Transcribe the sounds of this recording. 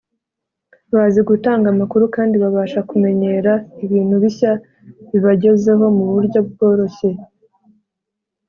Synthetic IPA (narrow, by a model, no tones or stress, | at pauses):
βaziɡutaːŋɡamakuɾukaːndiβaβaːʃakume̞ɲe̞ɾaiβiːn̥huβiça | βiβaɟe̞ze̞ɦo̞muβuɾɟo̞bɡo̞ːɾo̞çe̞